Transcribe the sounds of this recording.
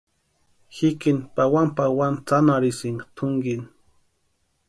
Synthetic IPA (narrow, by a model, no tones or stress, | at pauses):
hikɪnpawampawant͡sanaɾɪsɪŋt̪ʰʊŋɡin